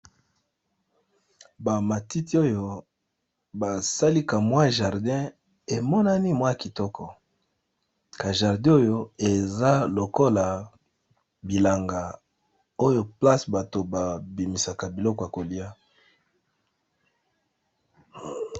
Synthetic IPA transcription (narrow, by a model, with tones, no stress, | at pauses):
ba˨ma˨ti˦ti˦o˦jo˨ | ba˨sa˦li˦ka˨mwa˦˨ʒa˨ʁdɛ̃˦ | e˨mɔ˦na˦ni˦mwa˦˨ki˨tɔ˦kʰɔ˨ | ka˨ʒa˨ʁdɛ̃˦o˦jo˦e˨za˦lo˨ko˦la˨ | bi˨la˨ŋɡa˨ | o˦jo˦pla˦sba˨to˨ba˨bi˨mi˨sa˨ka˨bi˨lɔ˦kɔ˨ja˨ko˨li˦a˦